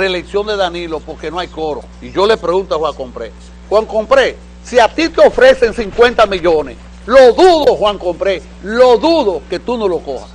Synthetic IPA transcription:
releksjo̞nd̪e̞ðanilopo̞ɾke̞noajkoɾo̰ | iʝo̞le̞pɾeɣunt̪oahwaŋko̞mpɾḛ | hwaŋkompɾe | siat̪it̪eo̞fɾe̞seŋsiŋkwẽ̞nt̪amiʎonḛs | loðuðohwaŋko̞mpɾe | loðuðo̞ke̞t̪unolo̞ko̞̰ha̰s

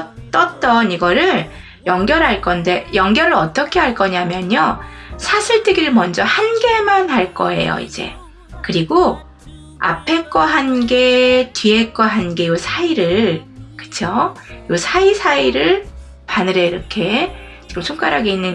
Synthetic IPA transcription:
t͈ʌt͈ʌniɡʌɾɯɭ | jʌŋɡjʌɾɦaɭk͈ʌnde̞jʌŋɡjʌɾɯɾʌt͈ʌkʰe̞ɦaɭk͈ʌɲamjʌɲʌsʰasʰɯɭt͈ʰɯɡiɾɯɭmʌnd͡ʑʌhanɡe̞manɦaɭk͈ʌe̞̰jo̰ḭd͡ʑe̞̰ | kɯɾiɡo | a̰pʰe̞k͈ʌɦanɡe̞tɥiek͈ʌɦanɡe̞ɯsʰaiɾɯɭkɯ̥t͡ɕʰjoɯsʰaisʰaiɾɯɭ | panɯɾe̞iɾʌkʰe̞ | t͡ɕiɡɯmsʰoŋk͈aɾɦaɡeinːɯn

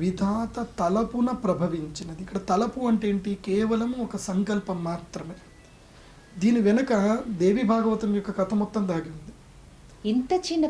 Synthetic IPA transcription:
ʋid̪ʱaːt̪ɐt̪ɐlɐpunɐpɾɐbʱɐʋiɲt͡ʃinɐd̪iikːɐɽɐt̪ɐlɐpuɐɳʈe̞ːɳʈikɛːʋɐlɐmuɔkɐsɐŋkɐlpɐmːaːt̪ɾɐmeː | d̪iːniʋɛnɐkɐd̪eːʋibʱaːɡɐʋɐt̪unjɔkːɐkɐt̪ʰɐmɔt̪ːɐnd̪aːɡiund̪i | int̪ɐt͡ʃinːɐ

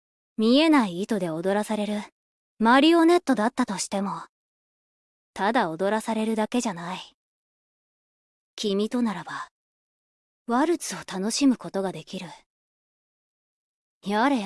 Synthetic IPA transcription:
mʲie̞naiːt̪o̞d̪e̞o̞d̪o̞ɾasaɾe̞ɾɯ̟ | maɾʲio̞ne̞t̪ːo̞d̪at̪ːat̪o̞ɕi̥t̪e̞mo̞ | t̪ad̪ao̞d̪o̞ɾasaɾe̞ɾɯ̟d̪ake̞ʑanai | kʲimʲit̪o̞naɾaba | βaɾɯ̟t͡sɨo̞t̪ano̞ɕimɯ̟ko̞t̪o̞ɡad̪e̞kʲiɾɯ̟ | jaɾe̞

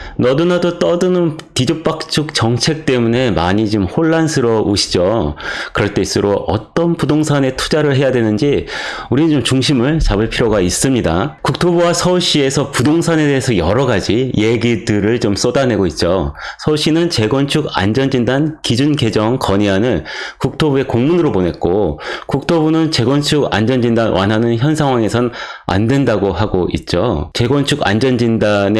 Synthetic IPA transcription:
nʌdunadot͈ʌdɯnɯntid͡ʑok̚p͈ak̚t͡ɕʰuk̚t͡ɕʌŋt͡ɕʰe̞k̚t͈e̞mune̞maɲit͡ɕumhoɭːansʰɯɾʌoɕʰi̥d͡ʑokɯɾʌɭt͈e̞is͈ɯɾoʔʌ̰t͈ʌnpudoŋsʰane̞tʰud͡ʑaɾɯɭɦe̞jadwe̞nɯnd͡ʑi | uɾit͡ɕomt͡ɕuŋɕʰimɯɭt͡ɕabɯɭpʰiɾoɡais͈ɯmɲida̰kuk̚tʰobuwasʰʌɕ͈ʰie̞sʰʌpudoŋsʰane̞de̞ɦesʰʌjʌɾʌɡad͡ʑije̞ɡidɯɾɯɭt͡ɕoms͈odane̞ɡoit̚t͡ɕ͈osʰʌɕ͈inɯnt͡ɕe̞ɡwʌnt͡ɕʰuɡa̰nd͡ʑʌnd͡ʑindankid͡ʑunke̞d͡ʑʌŋkʌɲiɦanɯnkuk̚tʰobue̞koŋmunɯɾopone̞t̚k͈okuk̚tʰobunɯnt͡ɕe̞ɡwʌnt͡ɕʰuɡa̰nd͡ʑʌnd͡ʑindanwa̰nɦanɯnçjʌnsʰaŋɦwaŋe̞sʰʌna̰ndwe̞ndaɡoaɡoḭt̚t͡ɕ͈ot͡ɕe̞ɡwʌnt͡ɕʰuɡa̰nd͡ʑʌnd͡ʑindane

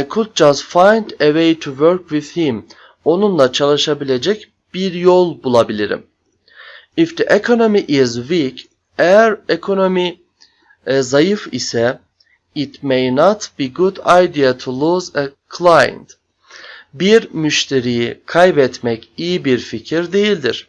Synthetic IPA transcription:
jkʰud̪̚d͡ʒastfãjnd̪ewejt̪ʰuwøɾkwið̥hĩm | o̞nunlˠat͡ʃʰalˠɯʃabilʲed͡ʒɛc | b̥iɾjolˠbulˠabilʲiɾḭm | ifd̪iʔɛkʰonomiʔizwik | ɛɾɛkʰonomi | zajɯfḭsɛ | it̪mejnat̪b̥iɡud̪ajd̪iat̪ʰulˠuːzəkʰlˠajnd̪̥ | biɾmyʃt̪ʰeɾijikʰajbɛt̪mɛcijibiɾficʰiɾd̪ejilʲd̪iɾ̥

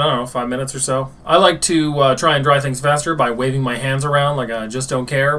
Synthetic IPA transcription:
onoʊfaɪvmɪ̃nɨtsə˞soʊʔaɪlaɪk̚tʰɨʌtʰɹ̥aɪɨ̃ndɹaɪθɪ̃ŋz̥fæstə˞baɪweɪvɪ̃ŋmaɪɦæ̃ndzə˞ãʊ̃ndlaɪkaɪd͡ʒʌsd̥õʊ̃nkʰɛɹ

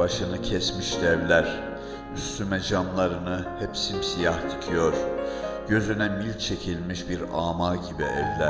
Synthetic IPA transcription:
aʃɯnɯcʰɛsmiʃlɛvlʲæɾ̥ | yst̪ymɛd͡ʒamlˠaɾɯnɯhɛpsimsijaht̪ʰi̥cʰijo̞ɾ̥ɟ̥ø̞zynɛmilʲt͡ʃʰe̞cʰilʲmiʃbiɾaːmaːɟibiɛ̰vlʲæ

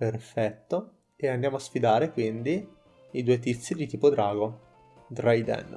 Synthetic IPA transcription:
perfɛt̪ːo | eand̪jaːmoasfid̪aːɾekwind̪i | id̪uːet̪̬it̪sːid̪it̪iːpod̪ɾaːɡo | d̪ɾajd̪ɛ̰n

